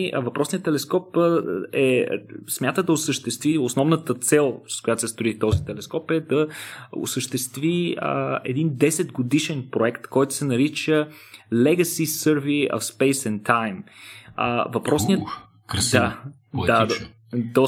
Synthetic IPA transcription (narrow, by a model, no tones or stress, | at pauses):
vɐpɾɔsniət̪ːɛlɛskɔpɛsmʲjat̪əd̪ɐʊsəʃt̪ɛst̪viosnɔvnət̪ət̪sɛlˠskʊjat̪osɛst̪ɾoit̪ɔzit̪ɛlɛskɔpɛd̪ɐʊ̰səʃt̪ɛst̪vḭ | ɛ̰d̪ind̪ɛsɛd̪ɡod̪iʃɛnpɾoɛkt̪kɔjt̪ʊ̥sɛnɐɾit͡ʃə | lɛɡəsisəɾviə̰fspɛjsɛnt̪ʰajm̰ | vɐpɾɔsniət̪ | d̪a | dad̪ | d̪ɔ